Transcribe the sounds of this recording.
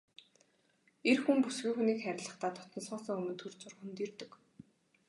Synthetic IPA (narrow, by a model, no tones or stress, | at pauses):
erxumpusɡujxuniːkχæɾʲɪ̆ɮə̆χt̪ʰaːt̪ʰʊ̥t̪nə̆ɮχɔːsɞ̆ŋɵmɵ̆nt̪ʰɵrt͡sʊrxunt̪irt̪ɵ̆k